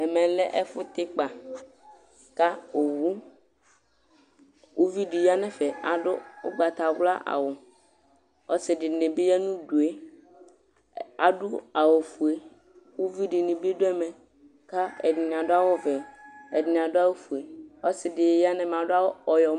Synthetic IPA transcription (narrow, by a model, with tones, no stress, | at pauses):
ɛ˨mɛ̃˨lɛ˦ʔɛ˦fʊ˦t̪ɪ˦k͡pa˨ | ka˦o˨wu˦ | wu˦vi˦ɖi˨ja˦nɛ̃˦fɛ˨a˨ɖʊ˦o̰˦ɡ͡ba˨t̪a˨ɡla̰˦ʔa̰˨wɔ˨ | ɔ˦sɪ˨ɖɪ˨ne˨be˦ja˦nũ˦ɖu˨e˦ | a̰˨ɖʊ˦a˨wo˨fu˨e˦ | wo˦vi˦ɖɪ˨ne˨be˦ɖo˦ɛ˦mɛ̃˨ | ka˦ɛ˨di˨ɲ˨ã˨ɖo˦a˦wɔ˦vɛ˨ɛ˨di˨ɲ˨ã˨ɖo˦a˦wo˦fu˨e˨ɔ˦sɪ˨ɖɪ˨ja˦nɛ̃˨m˨ã˨ɖʊ˦a˦wɔ˨jɔ˨˦